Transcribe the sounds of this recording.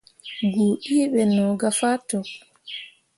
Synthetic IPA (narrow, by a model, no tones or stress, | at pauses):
ɡuʔiːɓɛnɔɡafatɔ